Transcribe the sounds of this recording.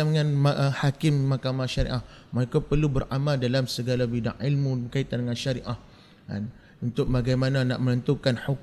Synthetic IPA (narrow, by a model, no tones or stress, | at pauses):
aŋãnʔhakɪmːahkamaʃaɾḭʔahmaɾekapərlubəɾʔamaldalamsəɡalabida̰ŋːilmuəkait̪andəŋãnʃaɾiʔah | a̰n | unt̪ʊk̚baɡajmanãna̰ʔmənənt̪ukanħuk